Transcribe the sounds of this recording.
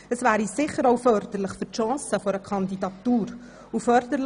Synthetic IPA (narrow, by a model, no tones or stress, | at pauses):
əsvæːɾisɪχəɾoʊfœɾdəɾləχfʏɾtʃɑ̃ːsəfɔɾəkʰɑndidɑt̪uːɾ | ufœɾdəl